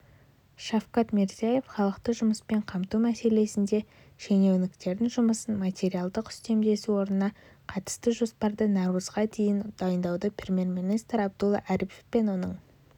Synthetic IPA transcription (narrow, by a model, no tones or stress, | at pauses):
ʃafqɑt̪meɾziaje̞fχɑlˠəqt̪əʒʊməspe̞ɴqʰɑmt̪umæse̞le̞sɪnd̪e̞ | ʒene̞wnɪkt̪e̞ɾd̪ɪnʒʊməsənmat̪ʲe̞ɾijalˠd̪əqʏ̥st̪e̞md̪e̞suwo̞ɾnənɑ | qʰɑt̪ə̥st̪əʒo̞spɑɾd̪ənɑɾuzʁɑd̪ʰe̞jɪnd̪̥ɑjənd̪ɑwd̪əprʲemʲje̞rminijst̪ɾɑb̚d̪ʊlˠːɑ̰ʔæɾipefpe̞nwo̞nəɴ